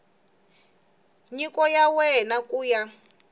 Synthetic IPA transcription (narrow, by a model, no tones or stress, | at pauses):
ɲikɔjawɛnakuːja